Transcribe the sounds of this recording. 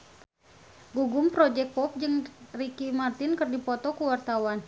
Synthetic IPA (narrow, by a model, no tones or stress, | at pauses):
ɡuɡʊmpɾɔd͡ʒɛk̚pɔp̚d͡ʒɨŋrikimart̪inkərdipɔt̪ɔkuwart̪awan